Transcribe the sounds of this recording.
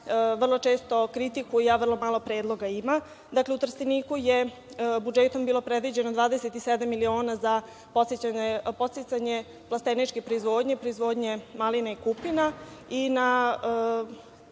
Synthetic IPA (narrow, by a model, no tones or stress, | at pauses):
ʋr̩lˠo̞t͡ʃeːst̪o̞kɾit̪ikujjaʋr̩lˠo̞maːlˠo̞pɾeːd̪lˠo̞ɡaima | d̪akleut̪r̩st̪iniːkuje | bud͡ʒet̪o̞mbiːlˠo̞pɾed̪ʋid͡ʑe̞nod̪ʋaːd̪eset̪ised̪amːilio̞ːnaza | po̞t̪set͡ɕaɲepo̞t̪set̪saɲe | plˠast̪enit͡ʃkepɾoizʋo̞ːd̪ɲepɾoizʋoːd̪ɲe̞malinaikupinaina